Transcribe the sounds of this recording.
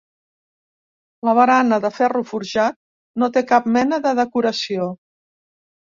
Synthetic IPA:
ləβ̞əɾanəðəfɛrufuɾʒat̪̚ | not̪ekap̚mɛnəðəðəkuɾəsio

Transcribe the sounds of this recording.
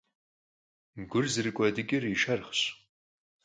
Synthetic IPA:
ɡʷʊrzɨrɨkʷʼɔdɨɡʲʼɪriʃɐrχɕ

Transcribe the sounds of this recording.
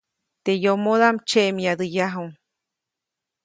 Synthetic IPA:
t̪ejomoðamt͡ʃeʔmjad̪ɯjaɦuŋ

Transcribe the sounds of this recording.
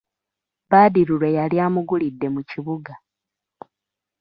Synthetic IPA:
baːdiɾuɾwe̞jaljaːmuɡulidːe̞muciβuɡa

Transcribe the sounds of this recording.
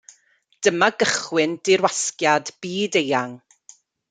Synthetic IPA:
d̥əmaɡəχwɪnd̥ɪɾwaskjadb̥iːdejaŋ

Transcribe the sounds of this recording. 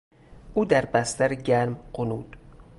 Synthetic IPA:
ʔuːd̪æɾbæst̪æɾeɟæɾmɢonuːd̪̥

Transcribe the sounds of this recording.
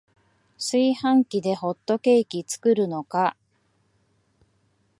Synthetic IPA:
sɨihãŋkʲid̪e̞ho̞t̪ːo̞ke̞ːkʲit͡sɨ̥kɯ̟ɾɯ̟no̞ka

